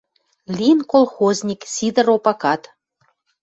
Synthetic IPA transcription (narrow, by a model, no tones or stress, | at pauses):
lʲinkolˠxozʲnʲiksʲid̪ə̆ɾopɑkɑt̪